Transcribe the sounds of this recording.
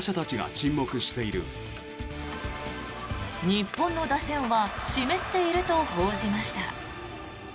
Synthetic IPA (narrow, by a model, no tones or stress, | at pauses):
ɕat̪at͡ɕiɡa̰t͡ɕĩmːo̞kɯ̟ɕi̥t̪e̞iɾɯ̟̰ | ɲ̟ipːõ̞nːo̞d̪asẽ̞ɰ̃βaɕime̞t̪ːe̞iɾɯ̟t̪o̞ho̞ːʑimaɕi̥t̪a